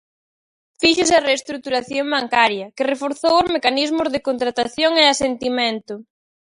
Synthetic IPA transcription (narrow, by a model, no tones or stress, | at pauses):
fiʃɪsɐreːst̪ɾuk̚t̪uɾaθjoŋbaŋkaɾjɐkerefoɾθowʊzmekanizmʊzðekont̪ɾat̪aθjoŋeasent̪imẽnt̪ʊ